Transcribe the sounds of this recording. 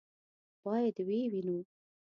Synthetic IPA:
b̥ɑjad̪wewinu

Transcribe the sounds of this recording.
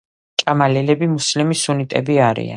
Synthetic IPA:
t͡ʃʼamalɛlɛbimuslimisunit̪ʼɛbiaɾḭa̰n

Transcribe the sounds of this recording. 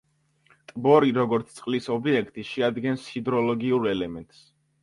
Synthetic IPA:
t̪ʼbɔɾiɾɔɡɔɾt̪sʰt̪sʼqʼlisɔbiɛkʰt̪ʼiʃɛad̪ɡɛnshid̪ɾɔlɔɡiuɾɛlɛmɛnt̪ʼs

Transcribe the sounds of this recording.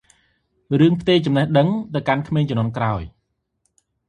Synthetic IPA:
rɨəŋpʰt̪eːt͡ɕɑmnɛhɗəŋt̪ɨwkankʰmeːɲt͡ɕɔmnŏənkraɔj

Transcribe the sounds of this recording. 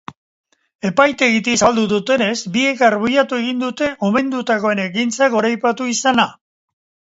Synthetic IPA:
e̞pajt̪e̞ɣit̪isald̪uðut̪e̞ne̞zbie̞karβujat̪ue̞ɣ̞ind̪ut̪e̞ʔo̞me̞nd̪ut̪ako̞e̞nekint͡saɣo̞ɾajpat̪uisana

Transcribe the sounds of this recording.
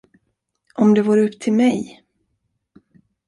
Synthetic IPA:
ʔɔmd̪ɛvoːɾɵpːt̪ʰɪlmɛj

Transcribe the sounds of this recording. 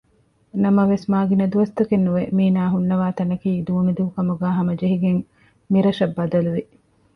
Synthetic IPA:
nɐmɐʋesmaːɡinɐd̪uʋɐst̪ɐkenːuʋemiːnaːɦunːɐʋaːt̪ɐnɐkiːd̪uːnid̪uːkɐmuɡæːɦɐmɐd͡ʒeɦiɡeŋ | miɾɐʃɐbːɐd̪ɐluʋi

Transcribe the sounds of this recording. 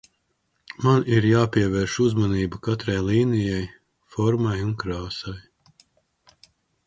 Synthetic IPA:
maniɾjaːpiɛvɛːɾʃuzmaniːbukat̪ɾajlˠiːnijɛj | fɔɾmajunkɾaːsaj

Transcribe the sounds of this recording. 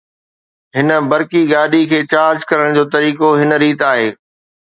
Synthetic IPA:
ɦɪnə̆bɐɾkiɡaːɗikʰeːt͡ɕaːɾd͡ʑkɐɾəɽ̃d͡ʑoːt̪ɐɾiːkoɦɪnəɾiːt̪aːɦeː

